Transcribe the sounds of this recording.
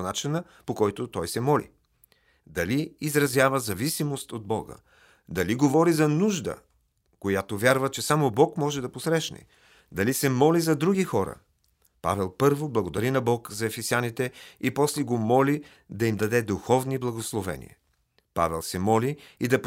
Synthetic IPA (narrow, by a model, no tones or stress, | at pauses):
nat͡ʃinə | pokɔjt̪ot̪ɔjsɛmɔlḭ | d̪ɐliizɾɐzʲjavəzɐvisimost̪od̪̚bɔ̰ɡə̰ | d̪ɐliɡovɔɾizɐnuʒd̪ə̰ | kojat̪ovʲaɾvət͡ʃɛsamobɔkmɔʒɛd̪ɐposɾɛʃnɛ̰ | d̪ɐlisɛmɔlizɐd̪ɾuɡixɔɾə̰ | pa̰vɛlˠpɤɾvoblˠɐɡod̪ɐɾinɐbɔkzɐɛfɛsianit̪ɛipɔslɛɡomɔli | d̪ɐimd̪ɐd̪ɛd̪uxɔvniblˠɐɡoslˠovɛ̰nḭɛ̰ | pa̰vɛ̰lˠsɛmɔliid̪ɐp